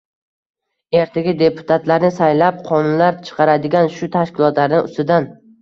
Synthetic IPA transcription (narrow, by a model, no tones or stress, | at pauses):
e̞ɾt̪ʰaɡʲɪd̪e̞pʰʊ̥t̪ʰat̪laɾnɪsajlap̚qʰɒnʊnlaɾt͡ʃʰɨ̥qʰɑɾad̪ɪɡʲanʃʊt̪ʰaʃkʲɪlˠɒt̪laɾnɪʔʊ̰st̪ɪd̪an